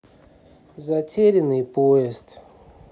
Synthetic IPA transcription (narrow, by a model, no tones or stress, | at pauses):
zɐtʲeɾʲɪnɨjpoɪst̪